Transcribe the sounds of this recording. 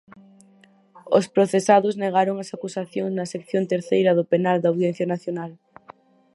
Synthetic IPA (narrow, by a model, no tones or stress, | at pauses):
o̰spɾoθesaðozneɣ̞aɾoŋasakusaθjoŋznɐsekθjont̪eɾθejɾɐðopenald̪awðjẽn̟θjanaθjonal